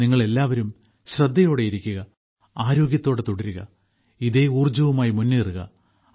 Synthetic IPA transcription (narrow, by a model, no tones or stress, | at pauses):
niŋːɐɭe̞lːaːʋɐɾum | ɕrɐd̪ʱːɐjo̞ːɽe̞jiɾikʲːuɣɐ | aːɾo̞ːɡjɐt̪ːo̞ːɽet̪oɽɐɾuɣɐ̰ | iðeuːrd͡ʑɐʋumaːjimunːeːruɣɐ̰